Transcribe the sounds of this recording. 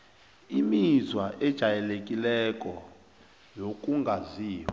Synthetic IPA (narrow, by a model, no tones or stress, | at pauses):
imizwaʔɛd̥ʒ̥ʱajɛlek̬ʼilɛkʼɔ | jokʼuŋɡʱaziːw